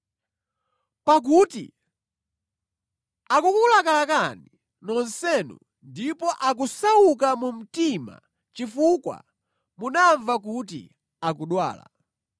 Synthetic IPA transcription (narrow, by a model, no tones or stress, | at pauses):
pak̬uːtḭ | akukulakalakani | nɔnsɛnṵ | ndipɔʔak̬usawukamum̩tima̰ | t͡ʃifukwa̰ | munaɱvak̬ut̬ḭ | akuɗwa̰ːla̰